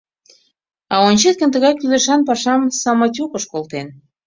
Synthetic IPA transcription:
ɑonʲt͡ɕet̪̚kə̆nt̪əɣɑjkyleʃɑnpɑʃɑmsɑmɑtʲukəʃkolt̪en

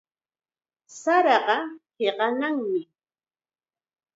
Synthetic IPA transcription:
saɾɑɢɑheɢɑnaŋmɪ

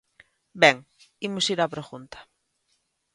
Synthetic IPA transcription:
bɛŋimʊsiɾapɾoxunt̪ḁ

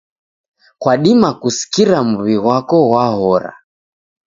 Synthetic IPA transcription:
kwaɗimakusi̥kiɾamuβiɣwakɔɣwahɔɾa̰

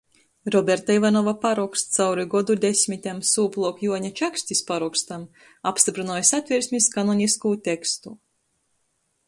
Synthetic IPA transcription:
ɾɔbʲeɾt̪aivanɔvapaɾɔkst̪t̪sawɾiɡɔd̪ud̪ʲesʲmʲit̪ʲemsuːplˠuɔkjuɔɲʲat͡ʃaksʲt̪ʲisʲpaɾukst̪am | apst̪ʲipɾunɔjsat̪ʲvʲiɾsʲmʲiskanɔnʲiskuːt̪ʲekst̪u

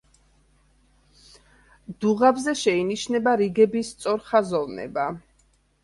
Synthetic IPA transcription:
d̪̥uʁabzɛʃɛiniʃnɛbaɾiɡɛbist̪sʼɔɾχazɔvnɛ̰ba

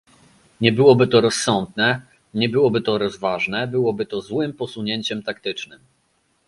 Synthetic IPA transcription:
ɲɛbɘwɔbɘt̪ɔɾɔsːɔnd̪nɛ | ɲɛbɘwɔbɘt̪ɔɾɔzvaʐnɛbɘwɔbɘt̪ɔzwɘmpɔsuɲeɲt͡ɕɛmt̪ak̚t̪ɘt͡ʂnɘm

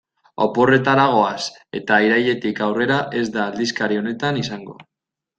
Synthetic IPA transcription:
o̞̰po̞re̞t̪aɾaɣ̞o̞as | e̞̰t̪aiɾajʎe̞t̪ikawre̞ɾaʔe̞zd̪aːld̪iskaɾio̞ne̞t̪anisaŋɡo̞̰

